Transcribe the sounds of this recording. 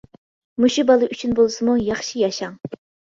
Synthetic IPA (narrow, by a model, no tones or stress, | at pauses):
muʃubɑlˠɨʔyt͡ʃʰynbolˠsɨmujɑχʃijɑʃɑŋ